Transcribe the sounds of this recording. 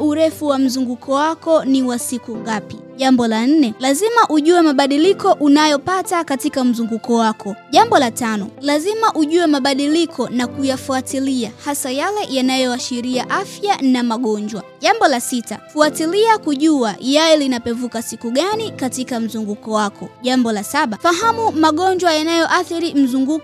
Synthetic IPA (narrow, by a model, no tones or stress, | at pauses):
uɾɛfuwam̩zuŋɡukʰɔwakɔniwasikuŋɡapiʄambɔlan̩nɛlazimaʔuʄuɛmaɓaɗilikɔʔunajɔpatakatikam̩zuŋɡukɔwakʰɔʄambɔlatanɔlazimaʔuʄuɛmaɓaɗilikʰɔnakujafuatiliahasajalɛjanajɔaʃiɾiaʔafjanamaɠɔɲd͡ʒwa̰ʄambɔlasita̰fuatiliakuʄuajalɛlinapɛvukasikuɠanikatikam̩zuŋɡukɔwakʰɔʄambɔlasaɓafaɦamumaɠɔɲd͡ʒwajanajɔʔaθiɾim̩zuŋɡuk